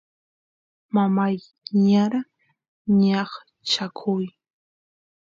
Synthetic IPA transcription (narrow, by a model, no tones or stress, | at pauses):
mamaj | ɲaɾa | ɲɑχ | t͡ʃakʰʊj